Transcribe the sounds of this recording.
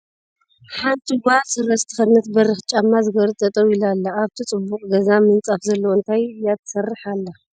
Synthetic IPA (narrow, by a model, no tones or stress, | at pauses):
ħant̪ʰʼɨɡʷasɨɾɐst̪ʰɨ̥xɐnɐt̪bɐrɨxt͡ʃʼamːazɨɡɐɾɨt͡sʼɐt̪ʼɐwilalːaːβt̪ʰit͡sʼɨbːuqʼɡɐzamɨnt͡sʼafzɐlːɐwoɨnt̪ʰajɨjːat̪ʰɐ̥sɐrːɨħalːa